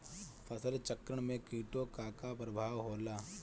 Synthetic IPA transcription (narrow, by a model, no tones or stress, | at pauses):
pʰɐsəlt͡ʃɐkɾəɽ̃mẽkiːʈokaːkapɾəbʱaːʋɦoːlaː